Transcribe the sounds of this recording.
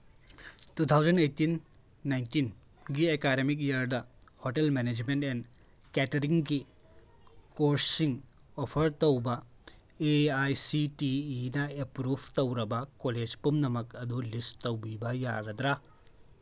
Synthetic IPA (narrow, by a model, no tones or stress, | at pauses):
tut̪ʰawd͡ʒɐnejtinː | ajntin | ɡiekaɾemik̬̚ijɐɾdɐhoʈelmened͡ʒmenten | ketɐɾiŋɡi | koɾssiŋ | opʰɐɾtowbɐ | eajsitiːnɐepɾubʱtowɾɐbɐkoled͡ʒpumnɐmɐkɐd̪ulistowbibɐja̰ɾɐd̪ɾa